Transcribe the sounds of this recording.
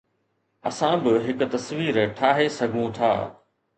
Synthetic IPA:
ɐ̰sãbɪɦɪkʊ̆t̪ɐsʋiːɾʈʰaːɦesɐɡʱũt̪ʰa̰ː

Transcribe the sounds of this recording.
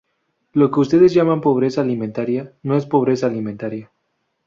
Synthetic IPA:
lo̞ke̞us̬t̪e̞ðe̞zʝamampo̞β̞ɾe̞saːliment̪aɾjano̞e̞spo̞β̞ɾe̞saːlimẽnt̪aɾja

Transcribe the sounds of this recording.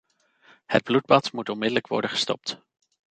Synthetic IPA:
hə̰d̚blud̚bɑtmutɔnmɪdələkʋɔ̰ɹdəχə̥stɔ̰p̚t

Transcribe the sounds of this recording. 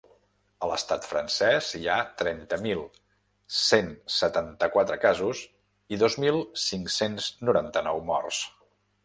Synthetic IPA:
ələst̪at̪fɾənsɛziat̪ɾɛnt̪əmilˠ | sensət̪ant̪əkwat̪ɾəkazuz | iðozmilˠsiŋksenznuɾant̪ənɔwmɔ̰rs

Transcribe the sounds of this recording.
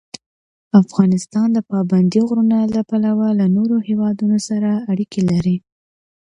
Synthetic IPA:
afɣɑnɪst̪ɑnd̪əpɑband̪iɣɾunalapalawalanoɾohewɑd̪unosaɾaːɽikʰelaɾi

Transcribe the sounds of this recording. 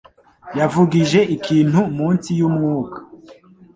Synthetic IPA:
javuɡiʒe̞ʔikʰiːn̥humuːnsijumŋuːkḁ

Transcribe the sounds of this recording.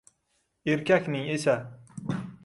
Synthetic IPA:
eɾkʲakʲnɪŋesa

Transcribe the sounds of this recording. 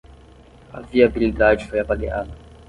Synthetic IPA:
a̰viɐbilid̪ad͡ʒifojapaɡea̰ːd̪ɐ

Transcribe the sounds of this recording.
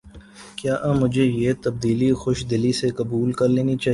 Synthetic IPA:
kjaːʔɐ̃mʊd͡ʒʱejeːt̪ɐb̚d̪iːlixʊʃd̪ɪlisekɐbuːlkɐɾleːnit͡ʃaː

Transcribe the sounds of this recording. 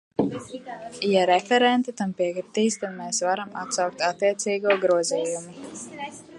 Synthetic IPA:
jaɾɛfɛɾɛnt̪at̪ampiɛkɾit̪iːst̪ad̪mɛːsvaɾama̰t̪sawk̚t̪at̪ːiɛt̪siːɡuɔɡɾuɔziːjumi

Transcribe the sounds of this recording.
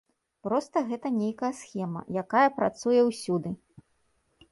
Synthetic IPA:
pɾɔst̪ɐɣɛt̪ɐnʲejkɐjɐsxʲɛmɐ̰jakajɐpɾat̪sujɛwsʲud̪ɨ

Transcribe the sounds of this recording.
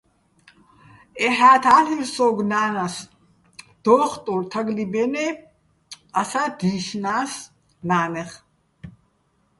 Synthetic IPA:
ɛɦaːt̪ʰaːliɾsɔːɡnaːnas | d̪̥ɔːχt̪ʼuɾt̪ʰaɡlibɛnɛ | asad̪̥iːʃnaːs | naːnɛχ

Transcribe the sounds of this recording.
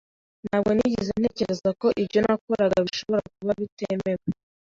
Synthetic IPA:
naːbɡe̞niɟizene̞ːce̞ɾezako̞ʔibɟo̞nakoɾaɡaβiʃo̞βo̞ɾak̚uβaβiteme̞βe

